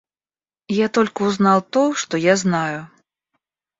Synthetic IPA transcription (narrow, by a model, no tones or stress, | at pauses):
jat̪ɔlʲkʲiwznawt̪ɔʂt̪ɔjaznaju